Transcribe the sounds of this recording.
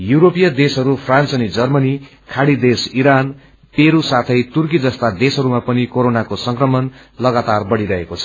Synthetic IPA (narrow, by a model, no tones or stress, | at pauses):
juɾopijʌd̪esɦʌɾupʰrãnt͡sʌnid͡zʌrmʌni | kʰaɽid̪esiɾan | peɾusat̪ʰʌjt̪urk̬id͡zʌst̪ad̪esɦʌɾumapʌnikoɾonakosʌŋkrʌmʌn | lʌɡat̪arbʌɽiɾʌɦekot͡sʰʌ̥